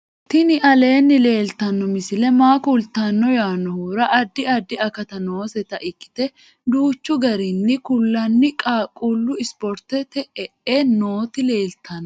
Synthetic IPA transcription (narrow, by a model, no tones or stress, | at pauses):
t̪ɪnɪʔɐle̞ːnːɪle̞ːlt̪ːɐnːɔmɪsɪlɛmaːkult̪ːanːɔjaːnːɔhuːɾɐʔɐd̪ːɪɐd̪ːɪɐkɐt̪ɐno̞ːsɛt̪ɐʔɪkːɪ̥t̪ɛ | d̪uːt͡ʃːʊɡɐɾɪnːɪkʊlːɐnːɪkʼaːkʼːulːʊɪspɔɾt̪ɛt̪ɛʔɛʔeno̞ːt̪ɪle̞ːlt̪ʰɐn